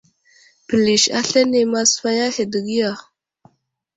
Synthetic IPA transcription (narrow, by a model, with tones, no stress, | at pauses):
pə˨li˨ʃa̰˦ɬe˦ne˨ma˦sfa˦ja˦he˨d̪ə˨ɡi˦ja˨